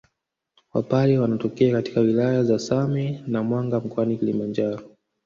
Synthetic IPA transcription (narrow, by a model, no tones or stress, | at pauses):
wa̰paɾɛwanatɔkɛakati̥kawilajazasamɛnamwaŋɡam̩kɔanikilimand͡ʒaɾɔ